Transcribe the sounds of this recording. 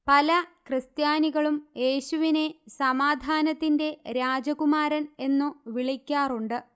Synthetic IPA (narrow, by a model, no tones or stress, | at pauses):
pɐlɐkrɨst̪jaːniɣɐɭumje̞ːɕuʋine̞sɐmaːd̪ʱaːnɐt̪ːinde̞ɾaːd͡ʑɐɣumaːɾɐne̞nːuʋiɭikʲːaːruɳɖɨ